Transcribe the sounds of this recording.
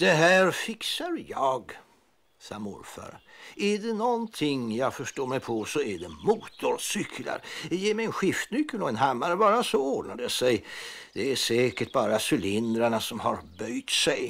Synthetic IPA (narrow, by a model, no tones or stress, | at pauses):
d̪̥ɛɦæːɾfɪksaɾjɑːɡ | sɑ̰ːmʊ̰ɾfa̰ɾæɖɛnɔnt̪ʰɪŋjɑɡfœʂʈoːɾmɛjpʰɔsɔæɖɛmuːt̪ʰʊɾsʏkʰla̰ɾjɑjeːmɛjəɛnɧɪft̪nʏkːəlɔɛnɦamːaɾəvɑːɾasɔoːɖnad̪əjasɛjd̪̥ɛæsɛːkəʈ̚bɑːɾasʉlɪnd̪ɾaɳasɔmhaɾbœjt̪sɛj